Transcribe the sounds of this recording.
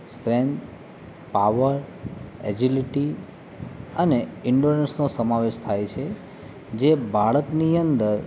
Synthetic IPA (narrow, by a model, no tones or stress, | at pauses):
sʈɾend̪ | paʋəɾɛd͡ʒiliʈi | əneɪɳɖoɾensnosəmaʋeʃt̪ʰajt͡ʃʰe | d͡ʒebʱaɭəkniənd̪əɾ